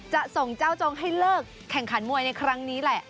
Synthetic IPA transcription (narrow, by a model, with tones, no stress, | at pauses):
t͡ɕa˨˩ʔso˨˩ŋt͡ɕa˥˩wt͡ɕo˧ŋɦa˥˩jlɤː˥˩kʰːɛ˨˩ŋkʰa˩˦nmu˨˩əjna˧jkʰɾa˦˥ŋniː˦˥lɛ˧˩ʔ